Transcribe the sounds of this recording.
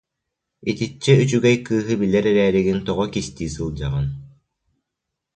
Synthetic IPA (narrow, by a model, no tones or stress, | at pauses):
it̪it͡ɕːɛyt͡ʃyɡɛjkɯːɦɯbilɛɾɛɾɛːɾiɡint̪ɔʁɔkist̪iːsɯlˠd͡ʑaʁɯn